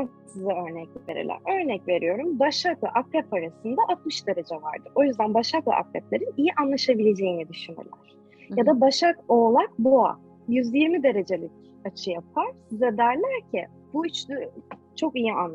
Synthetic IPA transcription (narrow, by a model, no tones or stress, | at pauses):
asɯzaø̞ɾnɛclʲive̞ɾḭlʲæ̰ɾø̞ɾnɛcve̞ɾijo̞ɾumbaʃaklˠa̰ʔakɾɛpaɾasɯnd̪aʔat̪mɯʃd̪eɾed͡ʒɛva̰ɾd̪ɯʔo̞jyzd̪ænbaʃaklˠa̰ʔa̰kɾɛplʲeɾinijiʔanlˠaʃabilʲe̞d͡ʒe̞jinid̪yʃyny̰ɾlʲæ̰ɾ̥ | jad̪abaʃakoːlˠakboa̰ | jyzjiɾmid̪e̞ɾe̞d͡ʒe̞lʲic | at͡ʃʰɯjap̚ʰaɾ̥zɛd̪æɾlʲæɾcʰɪ | b̥uit͡ʃd̪ | t͡ʃʰo̞kijian